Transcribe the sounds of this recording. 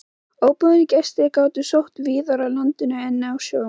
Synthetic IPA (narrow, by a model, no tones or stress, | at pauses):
oːwpʏðnicɛst̪ɪkaːwt̪ʏsowht̪viːðaɾalant̪ɪnaɛnːɪawsjoːw